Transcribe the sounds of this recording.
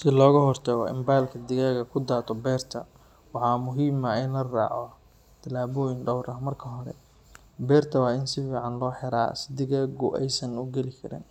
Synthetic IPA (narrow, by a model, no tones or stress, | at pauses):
sɪlɔːɣɐɦɔrt̪ʰɐɣɔ̰ɪ̰mbaːlkʰɐd̪ɪɣaːɣɐkʰʊd̪aːt̪ʰɔbɛːrt̪ʰɐ | wɑħɑːmʊɦiːmɐɪnlɐra̰ːʕɔ | t̪ʰɐlaːβɔːjɪnɖɔwɾʔɐmɐrkʰɐɦɔɾɛ̰ | bɛːrt̪ʰɐwɑːɪnsɪfiːʕɑnlɔːħɛɾa̰ːsɪ̥d̪ɪɣaːɣʊʔɛjsɐnʊɡɛlɪkʰɐɾɪ̰n